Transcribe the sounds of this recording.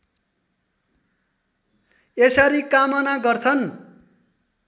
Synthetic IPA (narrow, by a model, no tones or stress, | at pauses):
esaɾikamʌnaɡʌrt͡sʰʌn